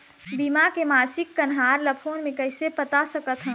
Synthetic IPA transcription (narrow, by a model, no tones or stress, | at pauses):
bimakemaːsɪkːənɦaɾləpʰonmẽkəɦɪsepət̪asəkət̪ɦə̃